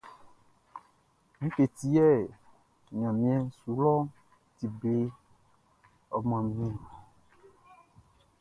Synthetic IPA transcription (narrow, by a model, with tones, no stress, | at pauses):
mĩ˦ke˨t̪i˦ɛ˦˨ | ɲã˨mĩ˦ɛ̃˦su˨˦lɔ˦ | t̪i˨ble˦ | ɔ˨mã˨mĩ˦˨